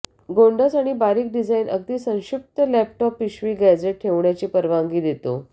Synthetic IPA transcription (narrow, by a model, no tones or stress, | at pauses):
ɡoɳɖət͡saɽ̃ibaɾiːk̚ɖid͡zainʔə̰ɡ̚t̪iːsə̃w̃ɕik̚t̪əlæp̚ʈɔpːiɕʋiːɡæd͡ʑeʈ̚ʈʰeʋɳjat͡ɕiːpəɾʋaŋɡiːd̪et̪o̰